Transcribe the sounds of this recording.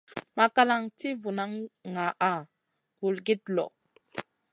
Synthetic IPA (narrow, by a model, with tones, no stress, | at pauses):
ma˨ka˦la˦ŋti˦vu˨na˦ŋŋa˨ʔa˨ | vu˨lɡi˦tlɔ̰˨